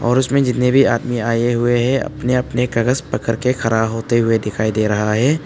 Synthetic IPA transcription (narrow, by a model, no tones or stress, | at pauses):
ɔ̰ːɾʊsmẽd͡ʒɪt̪nebʱiaːd̪miaːjeɦʊeɦɛɐ̰pneɐpnekɐɡəspɐkəɾkexʰɐɾaːbɦoːt̪eɦʊed̪ɪkʰaːid̪eːɾɐɦaɦɛː